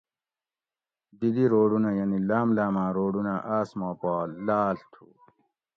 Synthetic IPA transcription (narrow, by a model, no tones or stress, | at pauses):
d̪id̪iɾoːɖunajɐnilaːmlaːmãːɾoːɖunaʔaːsmaːpaːlːaːlt̪ʰu